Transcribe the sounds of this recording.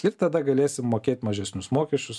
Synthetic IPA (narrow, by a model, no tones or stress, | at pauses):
ɪɾt̪ɐd̪ɐɡɐlʲeːsʲɪmːoːkʲeːt̪ʲmɐʒʲɛsʲnʲʊsmoːkʲɛʃʲt͡ʃʲʊs